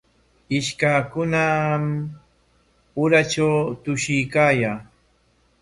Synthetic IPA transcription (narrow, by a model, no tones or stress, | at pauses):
ɪʃkakʊnam | ʊɾat͡ʃawt̪ʊʃɪjkaːjaː